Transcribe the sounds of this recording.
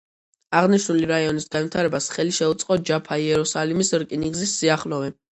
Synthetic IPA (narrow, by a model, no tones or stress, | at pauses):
aʁniʃnuliɾaiɔnisɡanvit̪ʰaɾɛbasχɛliʃɛut̪sʼqʼɔd͡ʒapʰaiɛɾusalimisɾkʼiniɡzisːiaχlɔvɛ